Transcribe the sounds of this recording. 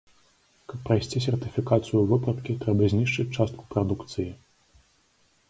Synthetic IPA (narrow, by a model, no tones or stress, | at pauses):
kɐpːɾɐjsʲt͡sʲisʲɛrt̪ɨfʲikat̪sɨjuvɨpɾɐt̪kʲit̪ɾɛbɐzʲnʲiʂt͡ʂɨt͡sʲt͡ʂast̪̚ku̥pɾɐd̪ukt̪sɨji